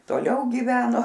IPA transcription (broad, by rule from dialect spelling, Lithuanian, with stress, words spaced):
toːˈlʲɛʊ ɡʲiːˈʋʲæːnoː